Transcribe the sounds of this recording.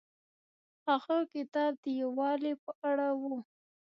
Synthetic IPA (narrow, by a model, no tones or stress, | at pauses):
axəkɪt̪ɑb̚d̪əjawɑlepəʔaɽawu